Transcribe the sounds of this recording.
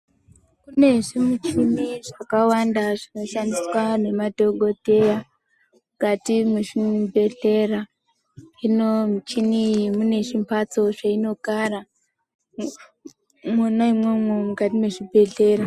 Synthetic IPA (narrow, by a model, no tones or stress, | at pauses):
kune̞ʐimut͡ʃiniʐakawandaʐino̞ʃandiswane̞madʱo̞ɡʱo̞te̞ja | mukatimeʐibʱe̞ɮe̞ra | inomut͡ʃiniimune̞ʐimpat͡so̞ʐaino̞ɡara | monoimwemwemukatimeʐibʱe̞ɮe̞ːra